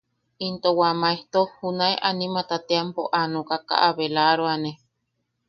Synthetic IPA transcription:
int̪owamaeht̪ohunaeʔanimat̪at̪eampo̰ʔanokaka̰ʔaβelaɾoane

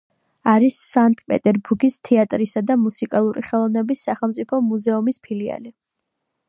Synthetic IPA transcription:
aɾisːaŋtʼpʼɛ̰t̪ʼɛɾbuɾɡist̪ʰɛat̪ʼɾisad̪amusikʼalˠuɾiχɛlˠɔvnɛbisːaχɛlˠmt̪sʼipʰɔmuzɛumispʰilia̰li

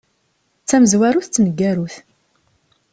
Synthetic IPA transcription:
t͡sːæməzwæɾuθt͡sːnəɡːæɾuθ

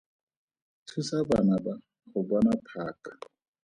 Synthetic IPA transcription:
tʰusabanaba | χʊbɔnapʰaːkʼḁ

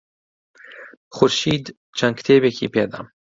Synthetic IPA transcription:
xʊɾʃiːd̪ | t͡ʃʰɐnkʰt̪ʰeːbekʰḭːpeːd̪ɐ̰

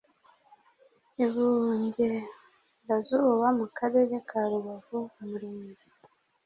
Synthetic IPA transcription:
iβuːɲɟe | bazuːβamukaɾeɾekʰaɾuβavumuɾeːɲɟe

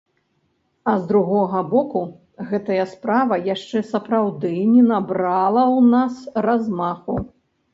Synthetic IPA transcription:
ɐzd̪ɾuɣɔɣɐbɔku | ɣɛt̪ɐjɐspɾavɐjaʂt͡ʂɛsɐpɾawd̪ɨnʲɛnabɾalˠɐwnasrazmaxu

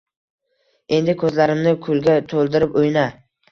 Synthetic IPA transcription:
e̞nd̪ɪkʰɵzlaɾɪmnɪkʰʊlɡʲat̪ʰolˠd̪ɪɾɪpʊjna

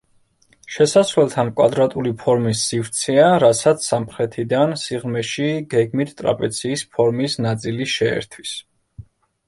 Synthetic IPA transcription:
ʃɛsasvɛlˠt̪ʰankʼwad̪ɾat̪ʼulipʰɔɾmisːivt̪sʰɛaɾasat̪sʰsːamχɾɛt̪ʰid̪ansiʁmɛʃiɡɛɡmit̪ʰt̪ʼɾa̰pʼɛt̪sʰiːspʰɔɾmisnat̪sʼiliʃɛɛ̰ɾt̪ʰwis

